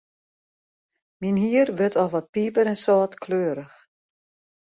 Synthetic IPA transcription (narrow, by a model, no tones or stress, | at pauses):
minɦiːərʋɪtʰɔʋɔt̚piːpəɾɛnsɔːtkʰløːɾəx